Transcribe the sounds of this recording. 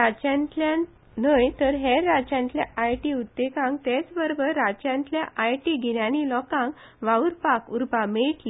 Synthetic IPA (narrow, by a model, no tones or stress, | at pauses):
ɾat͡ɕãnt̪ljã | nəjt̪əɾɦeːat͡ɕjãnt̪ljaʔajʈiud̪ːekãŋɡt̪et͡sbəɾbəɾːat͡ɕjãnt̪ljaʔajʈiɡʱinjãnilɔkãŋɡ | ʋauɾpakuɾpameʈli